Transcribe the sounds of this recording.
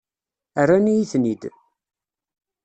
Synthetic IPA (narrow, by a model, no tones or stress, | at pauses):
arːanijiθnid̪